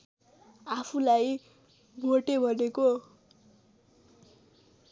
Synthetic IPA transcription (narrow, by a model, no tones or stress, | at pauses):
apʰulaj | bʱoʈebʱʌneko